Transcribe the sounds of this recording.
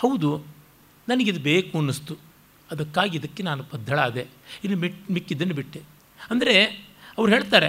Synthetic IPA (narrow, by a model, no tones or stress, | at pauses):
hɐwd̪u | nɐnɐɡid̪ubeːkuɐnːist̪u | ɐd̪ɐkːaːɡiɐd̪ɐkːenaːnubɐd̪ʱːɐɭaːd̪einːumimikːid̪ːɐnːubiʈːe | ɐnd̪ɐɾeɐʋɐɾuɦeːɭt̪aːɾe